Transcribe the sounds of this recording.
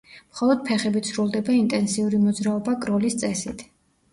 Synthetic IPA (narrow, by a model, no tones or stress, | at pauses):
mχɔlˠɔd̪̥̚pʰɛχɛbit̪sɾulˠd̪ɛbaint̪ʼɛnsiuɾimɔd̪zɾaɔbaɡʼɾɔlist̪sʼɛsit̪ʰ